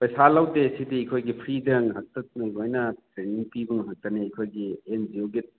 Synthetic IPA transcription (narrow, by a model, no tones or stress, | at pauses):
pɐjsalawtesitiikʰojɡipʰɾidɐŋɦɐk̚tɐt̚nɐjɡojnɐpɾeniŋpibuŋɦɐk̚tɐneɐkʰojɡiend͡ʒioɡit̚